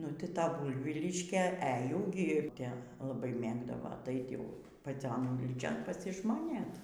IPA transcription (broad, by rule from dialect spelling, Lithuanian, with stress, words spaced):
ˈnʊ tʲɪ ˈtɐ ˈbʊɪʋʲiːlʲɪʃʲkʲeː ɛ jɛʊ ɡʲɪ ˈtʲɛ lˠɐˈbɐɪ ˈmʲeːɡdɐʋoː ɐˈtɐɪt ˈjɛʊ pɐˈt͡sʲoːn ˈuːlʲiːt͡ʃʲoːn pɐsʲɪʒmoːˈnʲeːt